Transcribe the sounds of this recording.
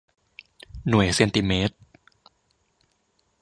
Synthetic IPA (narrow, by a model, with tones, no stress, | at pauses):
nu˨˩əjse˧nt̪i˧meː˦˥t̪̚